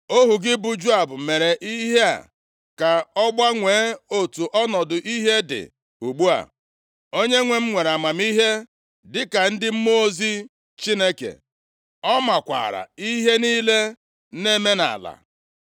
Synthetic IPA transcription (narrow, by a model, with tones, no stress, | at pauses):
o˦ɦu˨ɡɪ˦bʊ˦d͡ʒu˦a˨bʊ˨me˨ɾe˨ʔi˦ɦe˦a̰˨ | ka˨ɔ˦ɡ͡ba˦ŋʷeː˨˦o˦tu˨ʔɔ˦nɔ˨dʊ˨ʔi˦ɦe˦dɪ̰˨ | u˨ɡ͡bu˦a̰˨ | o˦ɲe˦ŋʷe˨m̩˦ŋʷe˨ɾa˨ma˨mi˦ɦe˦ | dɪ˦ka˨n̩˦dɪ˦m̩˦mo˦o˦zi˦ | t͡ʃi˦ne˦kḛ˨ | ɔ˦ma˨kʷa̰˨ɾa̰˨i˦ɦe˦niː˦le˦ | ne˦me˦na̰˨la̰˨